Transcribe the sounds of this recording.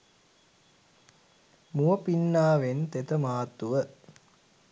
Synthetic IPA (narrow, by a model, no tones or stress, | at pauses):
muəpinːaːʋent̪et̪əmaːt̪uʋə